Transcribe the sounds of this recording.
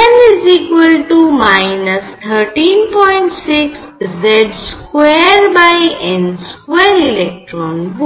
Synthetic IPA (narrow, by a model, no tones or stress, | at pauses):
ɛ̃nɪzikʋəlʈumaɪnəst̪ʰəɾʈĩnpɔ̃ɪ̃ɳʈsiks | zɛɖskweɾbajɛ̃nskweɾilɛk̚ʈɾɔnb